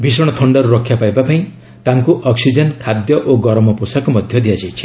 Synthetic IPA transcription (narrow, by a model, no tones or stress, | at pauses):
bʱisɔɽ̃ɔt̪ʰɔɳɖɔɾuɾɔkʰːjapajbapaĩ | t̪aŋkuʔɔksid͡ʒɔnkʰad̪jɔʔoɡɔɾmɔposakumɔd̪ʱjɔd̪ijad͡ʒajt͡ʃʰi̥